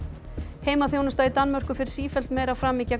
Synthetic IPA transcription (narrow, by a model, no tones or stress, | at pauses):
heːjmaθjoːwnʏst̪ait̪anːmœr̥kʏfɪɾɪ̥ɾ̥siːfɛl̥t̪mɛːɾawfɾaːmɪca